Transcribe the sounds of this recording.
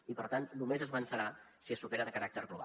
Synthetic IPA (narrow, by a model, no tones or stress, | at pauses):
ipəɾt̪annumezəzβənsəɾasiəsupeɾəðəkəɾak̚t̪əɾɣluβa̰